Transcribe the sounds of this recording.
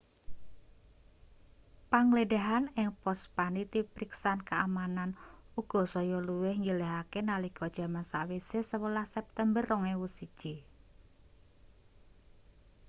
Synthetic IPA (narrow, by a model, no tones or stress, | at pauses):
paŋleɖaɦanɪŋpɔspanit̪ipɾiksankaːmananuɡ̥ɔ̤sɔjɔluwɪhɲileɦakenaliɡ̥ɔd̥ʒ̥a̤mansawesesəwəlahsɛp̚t̪ɛmbərːɔŋewusid̥ʒ̥i